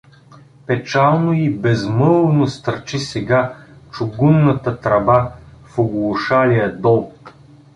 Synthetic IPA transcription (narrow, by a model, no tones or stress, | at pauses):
pɛt͡ʃalˠnoibɛzmɤlˠnost̪əɾt͡ʃisɛɡat͡ʃʊɡunːət̪ət̪ɾɐbafoɡlˠʊʃalijəd̪ɔlˠ